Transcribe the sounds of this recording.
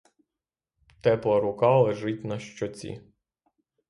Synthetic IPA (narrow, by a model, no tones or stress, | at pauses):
t̪ɛplˠɐɾʊkɑlˠeʒɪtʲnɐʃt͡ʃɔt͡sʲḭ